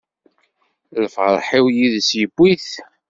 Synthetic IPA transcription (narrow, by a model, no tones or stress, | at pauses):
lfʁəɾˤħiwjiðsjəbːiθ